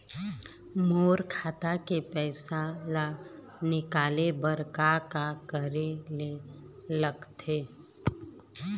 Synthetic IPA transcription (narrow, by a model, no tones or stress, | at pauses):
moːɾkʰaːt̪akepɛːɪsala | nɪkaːlebəɾkakakəɾeleləɡt̪ʰeː